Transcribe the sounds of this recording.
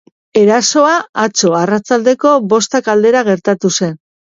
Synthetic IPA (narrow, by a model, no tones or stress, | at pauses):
e̞ɾaso̞aat͡so̞arat͡sald̪e̞ko̞βo̞st̪akald̪e̞ɾaɣ̞e̞ɾt̪at̪use̞n